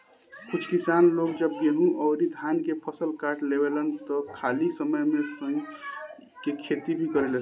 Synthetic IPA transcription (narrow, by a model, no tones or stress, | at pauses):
kut͡ʃʰkisanloɡd͡ʒəb̚jeɦũʔɔʊɾid̪ʱjankepʰəsəlkaɾʈlebelənt̪ɔkʰalisəməjmesəŋɡ | kekʰet̪ibʱikəɾele